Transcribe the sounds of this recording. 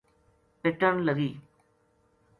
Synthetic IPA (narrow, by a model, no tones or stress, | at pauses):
pɪʈəɳləɡiː